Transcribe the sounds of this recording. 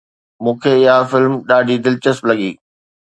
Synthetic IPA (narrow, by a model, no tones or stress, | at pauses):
mũːkʰeɪɦafɪlmɗaːɖʱid̪ɪlt͡ɕəsplɐɠḭː